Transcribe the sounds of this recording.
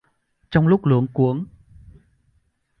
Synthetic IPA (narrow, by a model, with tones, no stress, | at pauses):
t͡ɕɔ˧wŋ͡mlʊ˦˥k͡p̚lɨ̰˧˩əŋku˨˦əŋ